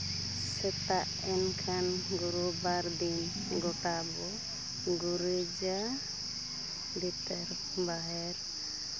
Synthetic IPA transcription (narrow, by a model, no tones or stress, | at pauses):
sɛt̪aʔ | ɛnkʰanɡuɾubaɾd̪in | ɡɔʈabɔ | ɡuɾɛd͡ʒa | dit̪ɛɾ | baɦɛɾ